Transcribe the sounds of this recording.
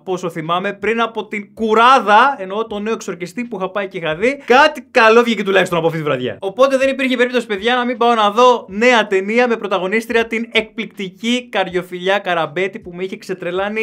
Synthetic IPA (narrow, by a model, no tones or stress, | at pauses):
po̞so̞θimɐme̞pɾinɐpo̞t̪iŋkuɾɐðɐe̞no̞t̪o̞ne̞o̞kso̞ɾcist̪ipuixɐpɐicexɐðikɐt̪ikɐlo̞vʝicit̪ulɐçist̪onɐpoɐft̪it̪ivɾɐðʝɐ̰o̞po̞t̪e̞ðe̞nipiɾçeipe̞ɾip̚t̪o̞si̥pe̞ðʝɐnɐmimbɐo̞nɐðo̞ne̞ɐt̪e̞niɐme̞pɾo̞t̪ɐɣo̞nist̪ɾiɐt̪ine̞k̚plikt̪icikɐɾʝo̞fiʎɐkɐɾɐbe̞t̪ipumeiçe̞kse̞t̪ɾe̞lɐni